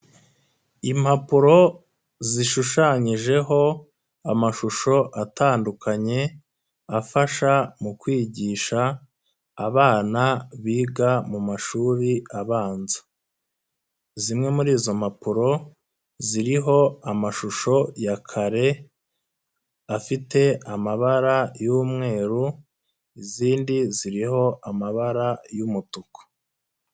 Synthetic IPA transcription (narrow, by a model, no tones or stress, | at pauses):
im̥hapuɾo̞ | ziʃuʃaɲiʒe̞ɦo̞ | amaʃuʃo̞ʔataːndukʰaɲe̞ | afaʃamukwiːɟiːʃaː | βaːnaβiːɡamumaʃuːɾiaβaːnzḁ | zimŋe̞muɾiːzo̞mapuɾo̞ | ziɾiɦo̞amaʃuʃo̞jakʰaɾe̞ | afite̞amaβaɾajuːmŋe̞ːɾu | iziːndiziɾiɦo̞ʔamaβaɾajumutuko̥